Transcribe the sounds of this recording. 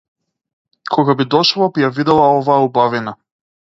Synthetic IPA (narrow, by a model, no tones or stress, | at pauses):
kʰɔɡabid̪ɔʃlˠabijavid̪ɛlˠaɔvaːubavina